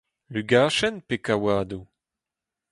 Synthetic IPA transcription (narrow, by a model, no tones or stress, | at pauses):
lyɡaːʃɛnpekawaːdu